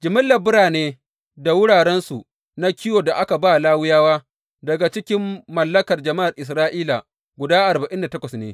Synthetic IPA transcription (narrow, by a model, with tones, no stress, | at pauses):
d͡ʒɪ˨mɪ˦lːɐ˨bʊ˦ɽaː˨neː˦ | da˨wʊ˦ɽaː˨ɽɛ˦nsu˨ | na˦kʲɪ˦joː˨da˨ʔa˦ka˨baː˦˨laː˦wʊ˦jaː˦waː˦ | dɐ˨ɡa˨t͡ʃɪ˦kʲɪ˦mːɐ˨lːɐ˦kɐ˨rd͡ʒɐ˨ma˦ʔa˨rʔɪ˨s̬ɾaː˦ʔiː˦la˨ | ɡʷʊ˨daː˦ʔa˨rba˨ʔɪ˦nda˨tɐ˦kʷɐ˨snḛː˦